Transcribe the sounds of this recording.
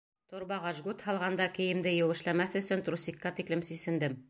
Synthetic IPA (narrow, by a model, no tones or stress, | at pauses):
t̪ŏɾbɑʁɑʒɡut̪hɑlˠʁɑnd̪ɑkɘ̆jɘ̆md̪ɘjɘ̆wɘ̆ʃlæmæθɵ̆sɵnt̪ɾusʲikːɑt̪iklɘmsisɘ̆nd̪ɘm